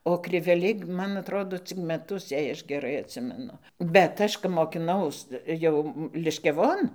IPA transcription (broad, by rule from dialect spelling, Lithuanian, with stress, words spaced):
oː krʲɪʋʲɛˈlʲɛɪ ˈmɐn ɐtˈroːdoː ˈt͡sʲɪk mʲɛˈtʊs jɛɪ ˈɐʃ ɡʲɛˈrɐɪ ɐtʲˈsʲɪmʲɛnʊ bʲɛt ˈɐʃ kɐp moːkʲɪˈnɐʊs ˈjɛʊ lʲɪʃʲkʲɛˈʋoːn